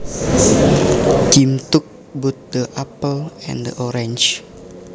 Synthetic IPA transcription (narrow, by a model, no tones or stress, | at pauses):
tĩmtuk̚ | but̚dəʔapəlɛ̰̃ndəʔɔɹɛ̃nd͡ʒ